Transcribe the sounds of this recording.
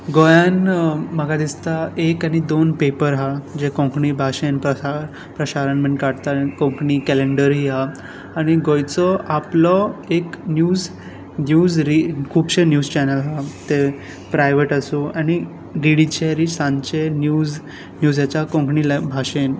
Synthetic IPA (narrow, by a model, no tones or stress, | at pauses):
ɡojanm̤aɡad̪ist̪aekañid̪onpepəɾɦad͡ʑekõkɳiːbʱaɕenpɾəaɾ | pɾəɕaɾanmeɳkaɽt̪akõŋkɳikɛleɳɖəɾɦiɦaː | ɽ̃iɡojt͡sɔʔaplɔeknjuːd͡z | njuːzɾikʰuːbɕenjuːd͡zt͡ɕɛnəlɦat̪e | pɾajʋeʈasuañi | ɖiɽit͡ɕeɾisãɲt͡ɕenjuːz | njuːzjat͡ɕakõŋkɳilbʱaɕen